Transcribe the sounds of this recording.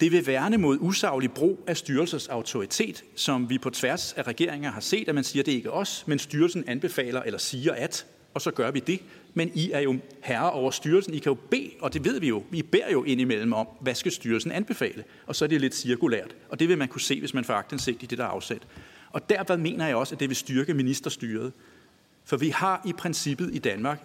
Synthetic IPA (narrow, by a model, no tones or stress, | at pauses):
d̥e̝ʋe̝ʋæɐnəmo̝ðˠusɑ̈ʊli̥b̥ʁṵːæsd̥yːɐl̩sɐsɑ̈ʊt͡sʰo̝ʁit͡sʰe̝̰ːd̥sɒ̽mʋipʰɒ̽t͡sʰʋæɐsæʁɛɡ̥e̝ɐ̰e̝ŋɐɦɑ̈se̝̰ːd̥æmænsiːɐd̥e̝e̝ɡ̥əʔɒ̽smensd̥yːɐlsn̩ænb̥e̝fɛ̰ːlɐʔelɐsiːɐʔæd̥ | ɒ̽sɒ̽ɡ̥ɶɐʋid̥e̝ | meniæɐjo̝ | hæɐɐʔɒʊɐsd̥yːɐlsn̩ikʰæjo̝b̥e̝̰ːɒ̽d̥e̝ʋe̝ð̞̰ˠʋijo̝ib̥e̝ɐ̰jo̝ʔe̝n̰imel̰m̩ɒ̽mʋæsɡ̥æsd̥yːɐlsn̩ænb̥e̝fɛ̰ːlə | ɒ̽sɒ̽æɐd̥e̝le̝d̥siɐɡ̥ulæ̰ɐ̰d̥ | ɒ̽d̥e̝ʋe̝mænkʰuse̝̰ːʋe̝smænfɒɑ̈ɡ̥̚d̥en̩se̝̰ɡ̥̚d̥id̥e̝d̥æɐɑ̈ʊsed̥ʔɒ̽d̥æɐ̰ʋeðˠme̝̰ːnɐjɑ̈ɪɒ̽sæd̥e̝ʋe̝sd̥yɐɡ̥əminisd̥ɐsd̥yːɐð̞̩ˠ | fɒ̽ʋihɑ̈ʔipʰʁɛnsib̥ð̩ˠid̥ænmɑ̈ːɡ̥